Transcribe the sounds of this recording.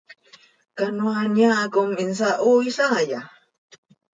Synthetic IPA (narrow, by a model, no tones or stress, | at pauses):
kanuanaːkʊminsaʔuisaja